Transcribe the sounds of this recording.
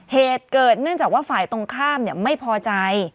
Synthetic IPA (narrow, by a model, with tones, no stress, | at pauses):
heː˨˩t̪̚kɤː˨˩t̪̚nɯ˥˩əŋt͡ɕaː˨˩kwaː˥˩faː˨˩jt̪o˧ŋkʰaː˥˩mni˥˩əma˥˩jpʰɔː˧t͡ɕa˧j